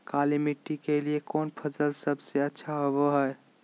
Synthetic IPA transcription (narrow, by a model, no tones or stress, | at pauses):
kalimiʈːikeliekoːnpʰəsəlsəbseətːʃʰaɦoboɦəe